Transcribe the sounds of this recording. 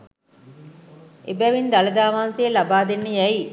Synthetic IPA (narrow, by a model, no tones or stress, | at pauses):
ʔebæʋind̪ɐlɐd̪aːmaːnseːlabaːd̪enːəjæi